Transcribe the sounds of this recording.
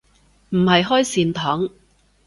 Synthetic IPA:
m̩˨˩hɐ˨jɦɔː˥jsiː˨˧nt̪ʰɔː˨˥ŋ

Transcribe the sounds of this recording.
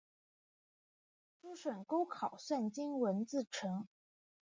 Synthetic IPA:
ʈ͡ʂu˥ʂə˨˩nko˥ʊkʰɑ˨˩ʊswa˥˩nt͡ɕi˥nwə˧˥nt͡sɹ̩˥˩ʈ͡ʂʰɤ˧˥ŋ

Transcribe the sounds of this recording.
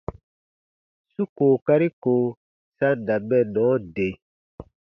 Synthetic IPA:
su˦koː˨ka˦ɾi˦koː˨ | sa˦da˨bɛ˦˨nɔ̃ː˨˦de˨

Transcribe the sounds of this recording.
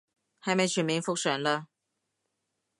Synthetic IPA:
ha˨˥jme˨˧jt͡ʃʰyː˨˩nmi˨˧˥ŋfʊ˥k̚sœ˨˩nlə˧

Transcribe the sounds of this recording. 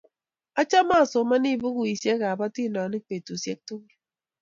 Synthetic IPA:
a˦t͡ʃa˦ma˦˨so˨ma˦ni˦˨bɨ˦ɣu˦i˨sje˦ɣa˨ba˦ti˦˨nɔ˨ni˦k͡pe˨tu˨sje˦k̚to˦ɣi˦

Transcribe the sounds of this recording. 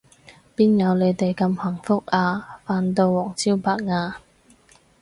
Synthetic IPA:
piː˥njɐ˨˧wne˨˧jt̪e˨jkɐ˧mhɐ˨˩ŋfʊ˥k̚aː˧faː˧nt̪o˧wwɔː˨˩ŋt͡siː˥wpaː˧k̚ŋaː˧

